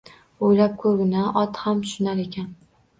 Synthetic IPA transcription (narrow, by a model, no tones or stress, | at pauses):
ojlap̚kʰɵɾɡʲɪnaʔɒt̪hamʃʊnaɾe̞kʲʰan